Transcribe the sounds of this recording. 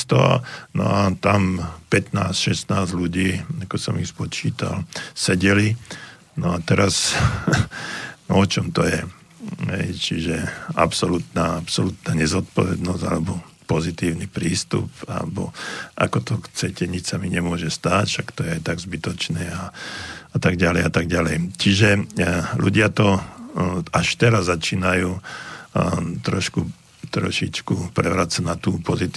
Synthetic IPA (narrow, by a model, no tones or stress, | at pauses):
st̪ɔnɔ̰at̪ampɛt̪naːsʃɛsnaːzluɟiːakɔsɔmispɔt͡ʃiːt̪a̰lsɛɟɛli | nɔat̪ɛɾas | ɔt͡ʃɔmt̪ɔjɛ | ɦɛ̰jt͡ʃiʒɛa̰psɔlut̪naːapsɔlut̪naːɲɛzɔt̪̚pɔʋɛ̰d̪nɔz̥a̰lɛbɔpɔzit̪iːʊnipɾiːst̪ṵpa̰lɛbɔ̰ʔa̰kɔt̪ɔxt͡sɛcɛɲit͡ʃsamiɲɛmʊɔʒɛst̪aːcʃakt̪ɔjɛajt̪aɡzbit̪ɔt͡ʃnɛːaat̪aɡɟalɛjat̪aɡɟalɛjt͡ʃiʒɛluɟɪat̪ɔ | aʃt̪ɛɾazːat͡ʃiːnajuː | t̪ɾɔʃku | t̪ɾɔ̰ʃit͡ʃkupɾɛʋɾat͡sanat̪uːpɔzit̪